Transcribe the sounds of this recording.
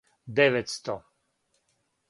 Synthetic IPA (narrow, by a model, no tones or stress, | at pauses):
d̪ɛʋɛt̪st̪ɔ